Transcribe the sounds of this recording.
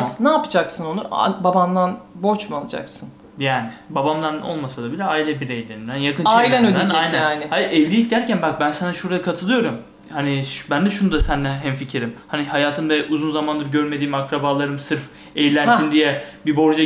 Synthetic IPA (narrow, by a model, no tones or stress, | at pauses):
naːpɯ̥d͡ʒaksɯno̞luɾa̰baband̪anbo̞ɾt͡ʃmualˠɯd͡ʒa̰ksɯn | jaːnibabamd̪ano̞̰lˠmasad̪abilʲɛaːilʲɛbiɾejlʲeɾind̪ænjakɯnt͡ʃailʲɛnød̪ænd͡ʒ̪ajnæaːnɪhaʔɛvlʲiic̚d̪æɾcʰænbak̚bænsanaʃuɾajakʰat̪ʰɯlˠɯjo̞ɾum | haniʃbænd̪ɛʃunud̪asænd̪ɛɦɛmficʰiɾimhanihajaːt̪ʰɯnbɛʔuzunzamand̪ɯɾɟøɾme̞d̪iːmakɾabaːlˠaɾɯmsɯɾf | ejlʲænsind̪ijɛbibo̞ɾd͡ʒa